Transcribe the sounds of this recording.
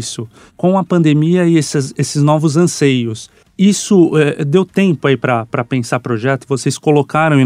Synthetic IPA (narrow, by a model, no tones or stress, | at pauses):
sʊ | kõw̃ɐpɐ̃nd̪emiɐɪesɐzesɪznɔvʊzɐ̃sejʊs | isʊɛd̪ewt̪ẽmpʊaipɾɐpɾɐpẽsaɾpɾoʒɛt̪ʊvoseskolokaɾɐ̃w̃ẽ